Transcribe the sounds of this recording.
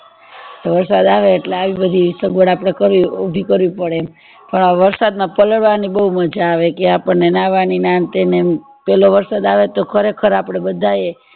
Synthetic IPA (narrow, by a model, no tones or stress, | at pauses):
t̪oʋəɾsad̪aʋeːʈleaʋibəd̪ʱisəɡʋəɽapɽ̃ekəɾʋiobʱikəɾʋipəɽe | pəɳʋəɾsad̪mãpələɽʋanibəɦuməd͡ʒaːʋekeapəɳnenaʋaninant̪ene | pɛloʋəɾsad̪aʋet̪okʰəɾekʰəɾapɽ̃ebəd̪ʱaje